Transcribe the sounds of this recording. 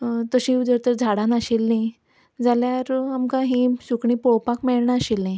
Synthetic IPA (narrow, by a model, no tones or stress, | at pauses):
t̪əɕĩud͡zəɾt̪əɾd͡zʱaɽãnaɕelni | d͡zaljaɾamkaɦĩsukɳĩpowpakmeɭɳaəɕelnaj